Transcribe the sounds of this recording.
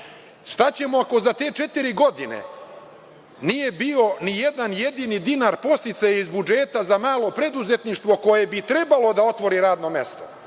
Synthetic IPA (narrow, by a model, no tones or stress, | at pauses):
ʃt̪at͡ɕe̞moako̞zat̪e̞ːt͡ʃe̞t̪iɾiɡo̞d̪inḛ | nije̞bio̞nijed̪anje̞d̪inid̪inaɾpo̞st̪it̪sajaizbud͡ʒe̞ːt̪azamaːlo̞pɾe̞d̪uze̞t̪niʃt̪ʋo̞ko̞je̞bit̪ɾe̞balo̞d̪ao̞t̪ʋo̞ɾiɾaːd̪no̞me̞st̪o